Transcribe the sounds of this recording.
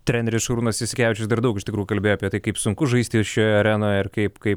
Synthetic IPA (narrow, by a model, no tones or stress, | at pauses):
t̪ʲɾʲæːnʲɛɾʲɪsʃɐɾuːnɐsʲɪsʲɪkʲæːʋʲɪt͡ʃʲʊsd̪ɐɾd̪ɐʊkɪʃt̪ʲɪkɾuːjuʊkɐlʲbʲeːjoːɐpʲiɛt̪ɐɪkɐɪpsʊŋkʊʒɐɪsʲt̪ʲiːʃʲoːjɐɾʲæːnoːɪrkɐɪpkɐɪp